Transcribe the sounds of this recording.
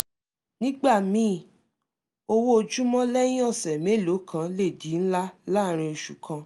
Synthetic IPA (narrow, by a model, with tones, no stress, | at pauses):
nĩ˦ɡ͡ba˦˨mĩ˨˦˨ | o˧wo˦o˧d͡ʒu˦mɔ̃˦lɛ˦jĩ˦ɔ˦˨sɛ˨me˨˦˨lo˨˦kʰã˨˦le˦˨di˨˦n̩˦la˦la˦˨ɾ̃ĩ˧o˧ʃu˨kʰã˧